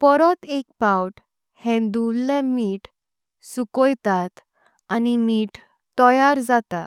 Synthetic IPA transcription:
pɔɾɔt̪ek̚pawʈ | hɛ̃nd̪ullẽmiːʈ | sukɔjt̪at̪ | animiːʈ | t̪ɔjaɾd͡zat̪a

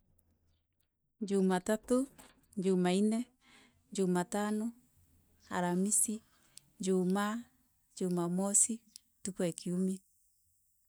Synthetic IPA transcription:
d͡ʒumatato | ɲd͡ʒumainɛ | d͡ʒumatano | a̰ɾamisi | ɲd͡ʒuma | d͡ʒumamɔsi | tukwɛkʰiumi

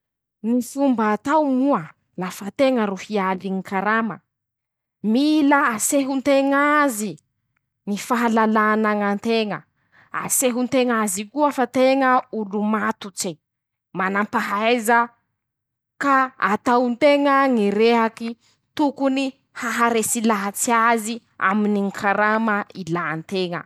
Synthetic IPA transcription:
nifumbaːt̪awmuə | lafat̪eŋəɾuhialiŋikʰaɾamə̰ | milaːseɦunt̪eŋazi | ŋifaɦalalanaŋant̪eŋə | a̰seɦunt̪eŋazikuafat̪eŋəulumat̪ut͡se | manampaɦajza | kaat̪awunt̪eŋəŋiɾeɦaki | t̪ukuni | haɦaɾesilaɦat͡siazi | a̰miniŋkʰaɾamailant̪eŋə̰

